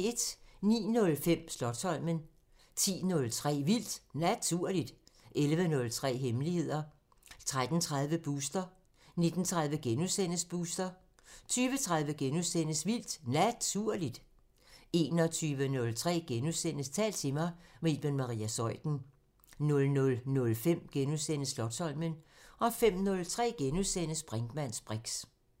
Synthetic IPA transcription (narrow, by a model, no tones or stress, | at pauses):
e̝d̥nḭːnɔ̽lfem̰slɒ̽d̥sɒ̽l̰mən | t͡sʰḭːnɔ̽lt͡sʰʁɛ̰ːʋil̰d̥næt͡sʰuɐ̰lid̥ʔelʋənɔ̽lt͡sʰʁɛ̰ːɦemlihe̝ð̞̰ˠɐ | t͡sʰʁad̥n̩t͡sʰʁað̞ˠʋəb̥usd̥ɐ | ne̝d̥n̩t͡sʰʁað̞ˠʋəɡ̥enuðsen̰əsb̥uːsd̥ɐ | t͡sʰyːʋət͡sʰʁað̞ˠʋəɡ̥enusen̰əsʋil̰d̥næt͡sʰuɐ̰lid̥ | e̝ːnɒ̽t͡sʰyːʋənɔ̽lt͡sʰʁɛ̰ːɡ̥enusen̰əst͡sʰɛ̰ːld̥t͡sʰe̝mɑ̈ɪʁiːb̥enmɑ̈ʁḭːæsɒ̽ɪ̰d̥n̩ | nɔ̽lnɔ̽lnɔ̽lfem̰ɡ̥enuðˠsen̰əslɒ̽d̥sɒ̽l̰mənɒ̽fem̰nɔ̽lt͡sʰʁɛ̰ːɡ̥enuðˠsen̰əsb̥ʁɛŋɡ̥mæn̰sb̥ʁeɡ̥s